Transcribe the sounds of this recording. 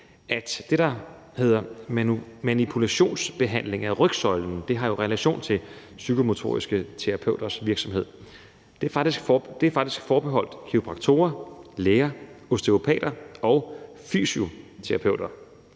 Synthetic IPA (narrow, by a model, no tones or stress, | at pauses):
ʔæd̥d̥e̝d̥ɑ̈ | he̝ð̰ˠɐ | mænipʰulæɕo̝̰ːnsb̥e̝ɦæn̰le̝ŋæʁœɡ̥sɒ̽ɪln̩d̥e̝ɦɑ̈jo̝ʁɛlæɕo̝̰ːnt͡sʰe̝l | sykʰo̝mo̝t͡sʰo̝̰ːʁisɡ̥ət͡sʰeʁɑ̈pʰøʊ̰d̥ɐsʋiɐɡ̥sɒ̽mɦe̝ð̞̰ˠ | d̥e̝ɑɡ̥d̥isɡ̥d̥e̝æfɑ̈ɡ̥̚d̥isɡ̥fɒːb̥e̝ɦɒ̽l̰d̥kʰio̝b̥ʁɑ̈ɡ̥̚t͡sʰo̝̰ːɐleːɐo̝sd̥e̝opʰɛ̰ːd̥ɐɒ̽ʊfy̰ːsio̝t͡sʰe̝ʁɑ̈pʰøʊ̰d̥ɐ